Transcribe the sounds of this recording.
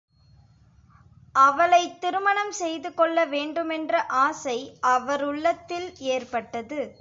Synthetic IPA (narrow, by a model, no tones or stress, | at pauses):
ʔɐʋɐɭɐɪt̪ːɪɾɯmɐɳɐmsɛjðɯkɔɭːɐʋeːɳɖɯmɛndrɐʔaːsɐɪʔɐʋɐɾʊɭːɐt̪ːɪleːrpɐʈːɐðɯ